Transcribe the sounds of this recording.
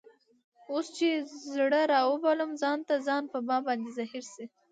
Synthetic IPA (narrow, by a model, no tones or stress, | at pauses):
ost͡ʃezɽəɾɑwəbaləmzɑnt̪azɑnpəbɑbɑnd̪ezahiɾsi